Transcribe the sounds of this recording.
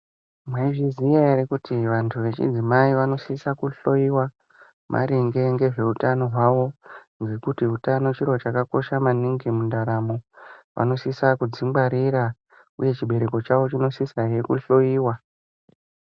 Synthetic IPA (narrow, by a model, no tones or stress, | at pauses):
mwaiʐizijaeɾekutʰiʋantʰuʋe̞t͡ʃḭd͡zimaiʋano̞sisakuɬo̞iwa | mʔa̰ɾiŋɡe̞ŋɡe̞ʐe̞utano̞ɦwaʋo̞ | ŋɡe̞kutiɦutano̞t͡ʃiɾot͡ʃakako̞ʃamaniŋɡimundaɾamo̞ʋa̰no̞sisakud͡zimbaɾiɾa | ṵje̞t͡ʃiɓe̞ɾe̞ko̞t͡ʃaʋo̞t͡ʃino̞sisaje̞kuɬo̞iːwa